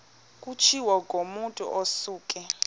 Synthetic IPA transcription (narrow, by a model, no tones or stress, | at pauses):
k̬ʼut͡ʃʰiwɔk̬ʼomuntʼṵʔosuːkʼɛ